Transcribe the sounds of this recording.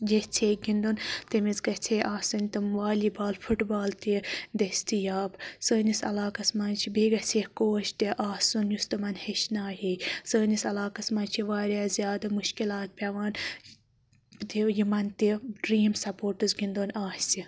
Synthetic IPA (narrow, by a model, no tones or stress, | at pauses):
d͡ʒeht͡sʰeːɡind̪unt̪emizɡɐt͡sʰeʔaːsunʲt̪ɨmʋaːlibaːlfʰuʈbaːlt̪id̪ɐsʲt̪ijaːbsəːnisɐ̰laːkɐsmaːnt͡ʃʰibiɡɐt͡sʰehkoːʃt̪ʲeʔaːsunjust̪ɨmɐnheʃnaːɦisəːnisɐlaːkɐsmɐːnt͡ʃʰiʋaːɾʲjaːzʲjaːd̪ɐmuʃkilaːt̪̚pʲɐʋaːn | t̪ijimɐnt̪iɖɾiːmsɐpoːɾʈɨzɡind̪unaːsi